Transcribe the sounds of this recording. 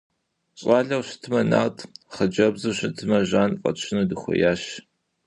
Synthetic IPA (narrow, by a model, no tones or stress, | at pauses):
ɕʼɑːɮɐwɕɪ̥tʰɨmɐna̰ːtʰχəd͡ʒɐbzɨɕɪtʰɨmɐʒaːnqʼɐ̰t͡ʃʰɪnudɨxʷɔ̰jaːɕ